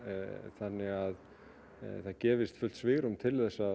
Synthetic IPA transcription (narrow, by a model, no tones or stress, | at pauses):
θanːɪɣað | θaðcɛːvɪst̪fʏlt̪svɪɣɾʏmt̪ʰɪlθɛsːa